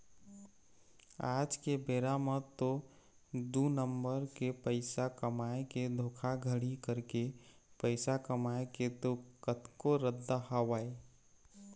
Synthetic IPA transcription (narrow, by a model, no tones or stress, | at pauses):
aːd͡ʒkebeːɾamət̪o | d̪unəmbəɾkepəɪsakəmaeked̪ʱoːkʰaɡʱəɽikəɾkepəɪsakəmaeket̪okət̪koɾəd̪ːaɦəwaːe